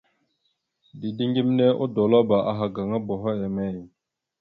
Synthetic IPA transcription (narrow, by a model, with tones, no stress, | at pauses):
di˨di˦ŋɡi˦m˦ne˦ʔo̰˦do˨lo˦ba˨ʔa˨ɦa˨ɡa˨ŋa˦bo˨ɦo˦ja˨me˦˨j